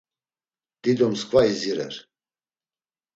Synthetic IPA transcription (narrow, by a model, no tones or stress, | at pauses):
d̪̥id̪ɔmskʼvaiziɾɛ̰ɾ